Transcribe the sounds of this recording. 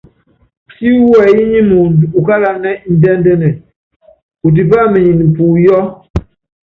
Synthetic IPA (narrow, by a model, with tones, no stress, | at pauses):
si˦wɛ˨ji˦ɲi˦mu˨u˨ka˦la˦nɛ˦n̩˦dɛ˦n˦dɛ˦nɛ˨ | u˨t̬i˨pa˦˨me˨ɲi˨n˨m̩˨pu˨jɔ˦